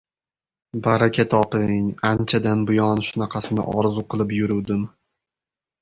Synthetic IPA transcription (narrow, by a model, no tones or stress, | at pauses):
baɾakʲʰat̪ʰɒpɪŋant͡ʃʰad̪anbʊjɒnʃʊnaqʰɑsɪnɪ̰ʔɒɾzuqʰɨlˠɪpjʊɾuwd̪ɪm